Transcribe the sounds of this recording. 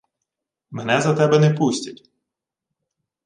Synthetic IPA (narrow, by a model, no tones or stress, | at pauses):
menɛzɐt̪ɛbɛnɛpusʲtʲɐtʲ